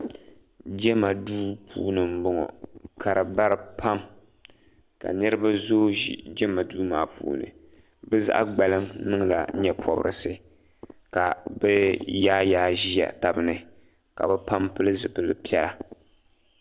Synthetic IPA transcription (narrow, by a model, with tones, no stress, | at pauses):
d͡ʒɛ˦ma˨duː˦pʰṵː˦nɨ˨m̩˦bɔ˦ŋɔ̰˨kʰa˨ɾɨ˨ba˦ɾɨ˨pʰa˦m | ka̰˨nɨ˦ɾɨ˦ba˦zo˦ʒḭ˨d͡ʒɛ˦ma˨duː˦maː˦pṵː˦nɨ̰˨ | bɨ˦za̰˦ʔa̰˦ɡ͡ba˨lɨ˦ŋnɨ˦ŋla̰˨˦ɲɛ˦pʰɔ˨b̰ɾɨ̰˨sɨ˦ | ka˨bɛ˦jaː˦jaː˦ʒi˦ja̰˨ta˨bɨ˦nɨ˨ | ka̰˨bɛ˦pa˦mpɨ˦lɨ˦zɨ˨pɨ˨lɨ˨pɛ˦la˨